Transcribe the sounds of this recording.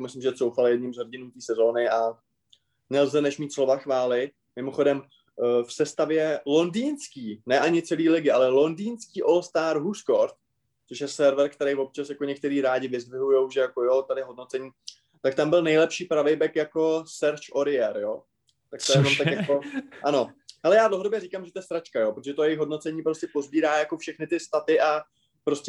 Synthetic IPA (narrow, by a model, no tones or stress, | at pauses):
mɪslɪmʒɛso̞wfaljɛd̪̚ɲɪmzɦoɟɪnuːt̪iːsɛzo̞ːnɪʔa | nɛlzɛnɛʃmiːt̪slo̞vaxvaːlɪ | mɪmo̞xo̞dɛm | fsɛst̪avjɛlo̞ndiːnskiːnɛʔaɲɪt͡sɛliːlɪɡɪalɛlo̞ndiːnskiːʔolst̪aːɾɦuskoɾt̪̚ | t͡soʃjɛsɛɾvɛɾkt̪ɛɾɛjvop̚t͡ʃasjako̞ɲɛk̚t̪ɛɾiːɾaːɟɪvɪzdvɪɦujo̞wʒɛjakojot̪adɪɦo̞dnot͡sɛɲiː | t̪akt̪ambɪlnɛjlɛpʃiːpɾavejbɛkjako̞sɛɾt͡ʃoɾɪjɛɾjoː | t̪akt̪aɛmamt̪akjakoʔano̞ɦɛlɛjaːdlowɦodobjɛɾiːkamʒɛt̪ojɛst̪ɾat͡ʃkajo̞ːpɾot̪oʒɛt̪ojɛjɪxɦo̞dno̞t͡sɛɲiːpɾoscɛpo̞zbiːɾaːjako̞fʃɛxnɪt̪ɪst̪at̪ɪʔa | pɾo̞scʲɛ